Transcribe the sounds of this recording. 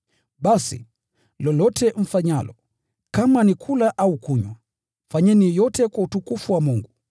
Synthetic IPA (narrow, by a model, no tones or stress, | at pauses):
ɓasḭ | lɔlɔtʰɛɱ̩faɲalɔ | kamanikʰulaʔaukuɲwa | faɲɛnijɔtɛkwautukufuwamuŋɡu